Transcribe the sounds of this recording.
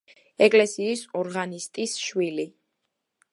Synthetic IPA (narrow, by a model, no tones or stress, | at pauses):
ɛkʼlɛsiːsɔɾʁanist̪ʼisʃwili